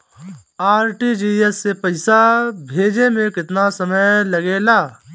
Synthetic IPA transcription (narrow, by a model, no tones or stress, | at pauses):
aːɾʈiːd͡ʒiːesːepɐɪsabʱeːd͡ʒemẽkɪt̪nasɐməjlɐɡeːlaː